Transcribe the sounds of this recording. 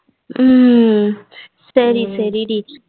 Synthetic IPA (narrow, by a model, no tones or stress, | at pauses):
sɐɾisɐɾiɾi